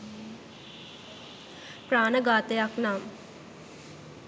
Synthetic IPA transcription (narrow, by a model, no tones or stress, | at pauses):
pɾaːnɐɡaːt̪ejaknaːm